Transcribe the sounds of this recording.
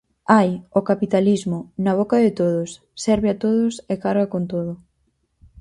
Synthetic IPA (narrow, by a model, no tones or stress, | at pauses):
ajokapit̪alizmʊnaβ̞okaðɪt̪oðʊsːɛɾβɪat̪oðʊsekaɾɣɐkont̪oðʊ